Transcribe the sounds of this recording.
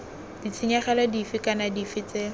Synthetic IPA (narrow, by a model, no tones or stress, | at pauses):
dit͡sʰɪɲaχɛladifɪkanadifɪt͡se